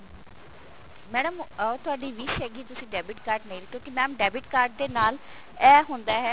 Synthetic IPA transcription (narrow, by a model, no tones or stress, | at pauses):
mɛːɖəmət̪ʊaːɖiːʋɪʃɦɛːɡiːt̪ʊsĩːɖɛːbɪʈkaːɾʈnə̃ĩːɾk̪ʰõːkimɛːəmɖɛːbɪʈkaːɾɖ̚d̪eːnaːl | ɛːɦʊnd̪aːɦɛː